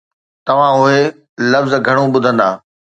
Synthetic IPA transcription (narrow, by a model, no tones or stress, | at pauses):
t̪ɐʋ̤ãʊɦe | lɐfzɡʱɐɽ̃uɓʊd̪ʱə̃nd̪aː